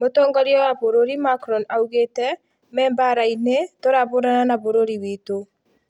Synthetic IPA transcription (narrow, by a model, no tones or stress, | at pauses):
motɔːŋɡɔɾjɔwaβoɾoɾimakɾɔnauɣetɛ | mɛːmbaɾainetoɾaβoɾananaβoɾoɾiwito